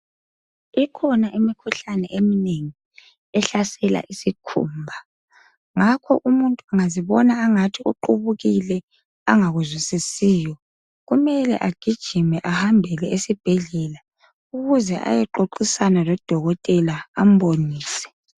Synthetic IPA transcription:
ikʰɔnaʔimikʰuɬanɛ̰ʔemineŋi | ɛɬasɛla̰ʔisikʰṵːmbʱa | ŋakʰɔ̰ʔumuntʼuaŋaziβɔnaːŋatʰiuǃuβuɣilɛ | aŋaɣuzwisisiːjɔ | ɣumɛlɛ̰ʔaɡ̥ʱid̥ʒ̥ʱimɛʔahambʱɛlɛesib̥ʱɛɮɛla | uɣuzɛ̰ʔa̰jɛǃoǃisanalɔd̥ʱɔɣɔtʼɛlaːm̩boniːsɛ̥

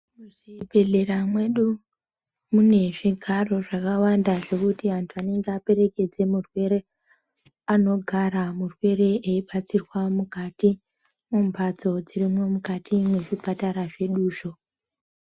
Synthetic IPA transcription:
muʐibʱe̞ɮe̞ɾamwe̞ɗu | mune̞ʐiɡʱaro̞ʐakawandaʐe̞kutiantʰuane̞ŋɡeape̞ɾe̞ke̞d͡ze̞murwe̞ɾe | ano̞ɡʱaɾamurwe̞ɾe̞eiɓat͡sirwamukati | mumbʱad͡zo̞d͡zirimwe̞mukatʰimwe̞ʐipataɾaʐe̞ɗuːʃo̞

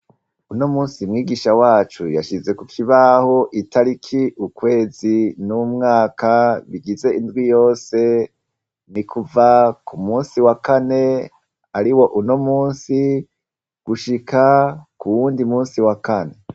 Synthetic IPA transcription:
uno̞muːnsimŋiːɡiʃawaːt͡ʃujaʃize̞kufiβaho̞ʔitaɾikʰiʔukwe̞ːzinumŋaːkaβiɡize̞indɡwijo̞ːse̞ | nikʰuvakumuːnsiwakane̞ | aɾiwo̞ʔuno̞muːnsi | ɡ̥uʃikakuwuːndimuːnsiwakane̞

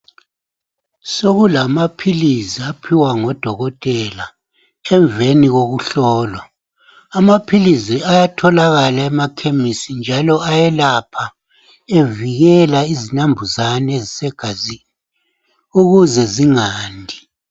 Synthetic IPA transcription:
soɣulamapʰiliziapʰiwaŋɔd̥ʱɔɣɔtʼɛla | ɛɱveniɣoɣuɬɔːlɔ | amapʰiliziajatʰɔlaɣalaɛmakʰemisind͡ʒʱalɔajɛlapʰa | eviɣɛlaizinambʱuzanezisɛɡ̥ʱazi | uɣuzɛziŋaːndʱi

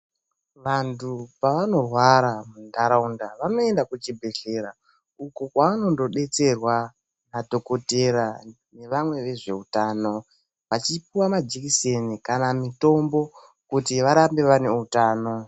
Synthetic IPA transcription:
ʋantʰupaʋano̞rwaɾamundaɾaundaʋano̞e̞ndakut͡ʃibʱeɬeɾa | ukokwaano̞ndo̞ɗe̞t͡se̞rwa | nadʱo̞ko̞teɾa | ne̞ʋamwe̞ʋe̞ʐe̞̰utaːno̞ | ʋat͡ʃipiwamad͡ʒekisenikanamito̞mbo̞ | kutiʋaɾambe̞ʋane̞utaːno̞

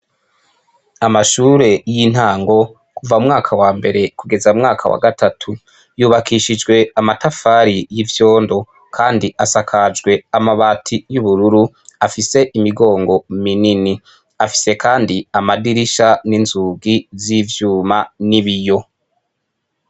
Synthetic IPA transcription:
amaʃuːɾe̞jin̥haːŋɡo̞ | kuvaumŋaːkʰawaːmbe̞ɾe̞kuɡe̞zaumŋaːkʰa̰wa̰ɡatatʰu | juːβakiʃid͡ʒɡwe̞amatafaɾijivjo̞ːndo̞ | kʰaːndiʔasakʰad͡ʒɡwe̞amaβaːtʰijuβuɾuɾu | afise̞ʔimiɡo̞ːŋɡo̞minini | afi̥se̞kaːndiamadiɾiʃaninzuɡizivjuːmaniβijo̞

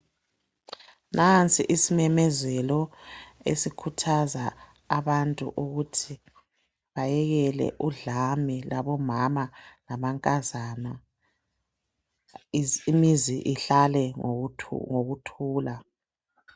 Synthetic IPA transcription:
nʔant͡sʼiʔisimɛmɛzɛlɔḛsikʰutʰazaː | βantʼṵʔuɣutʰi | βajɛɣɛlɛ̰ʔuɮamilaβɔmamalaβaŋkʼazaːna | imiziʔiɬalɛ | ŋoɣutʰuːla

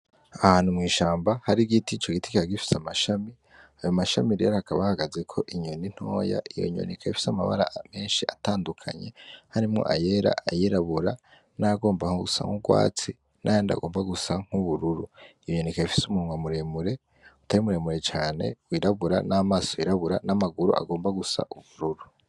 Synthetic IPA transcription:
ahaːnhumŋiːʃaːmbahaɾiɡitit͡ʃo̞ɡiti̥kiaɡifi̥samaʃami | ajomaʃa̰miɾijaɾaakaβahaɡaze̞kʰo̞ʔiɲo̞nin̥ho̞ːja̰ʔijo̞̰ɲo̞̰nʔekʰaifi̥samaβa̰ɾa̰me̞ːnʃiʔataːndukʰa̰ɲe̞haɾimŋo̞̰ʔajeɾa̰ʔajiɾaβuɾa | naɡo̞ːmbahousa̰ŋuɡwa̰ːt͡si | nʔajanda̰ɡo̞ːmbaɡusaŋ̥huβuɾuɾuijoɲo̞nekaifi̥sumuuŋwamuɾe̞muɾe̞ | u̥taɾimuɾe̞ːmuɾe̞t͡ʃaːne̞̰wiːɾaβuɾanaːmaːsojiɾaβuɾanamaɡuɾṵʔa̰ɡo̞ːmbaɡusa̰ʔuβuɾuɾu

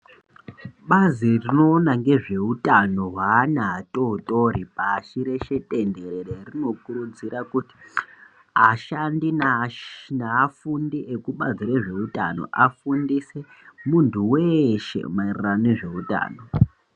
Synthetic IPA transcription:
ɓazirino̞ːnaŋɡe̞ʐe̞utʼano̞ɦwaːnaɦatʼo̞utʼo̞ɾipaːʃiɾe̞ʃe̞tʼe̞nde̞ɾererino̞kuɾud͡ziɾakuti̥ | aʃandin | naːfundiʔekuɓaziɾeʐe̞utʼa̰no̞̰ʔafundise | muntʰuweʃe̞̰mairiraneʐe̞uta̰ːno̞

